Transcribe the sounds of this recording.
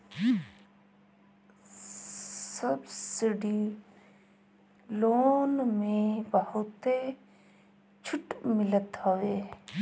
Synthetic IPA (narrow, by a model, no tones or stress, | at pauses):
səbsɪɖi | loːnmẽbəɦʊt̪e | t͡ʃʰʊʈmɪlət̪ɦəʋeː